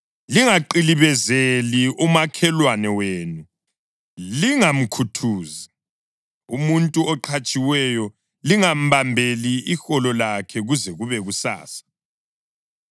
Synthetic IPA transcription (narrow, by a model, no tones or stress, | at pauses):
liŋaǃiliβɛzeliumakʰɛlwanɛweːnu | liŋam̩kʰutʰuːzi | umuntʼuɔǃʰat͡ʃʼiwɛjɔ | liŋam̩βambʱeliixɔlɔlakʰɛɣuzɛɣuβɛɣusa̰ːsḁ